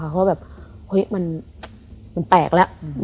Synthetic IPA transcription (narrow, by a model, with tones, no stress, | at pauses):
a˧˩kʰa˦˥bɛː˨˩p̚ | ho˦˥jma˧n | ma˧npɛː˨˩k̚lɛ˦˥ʔ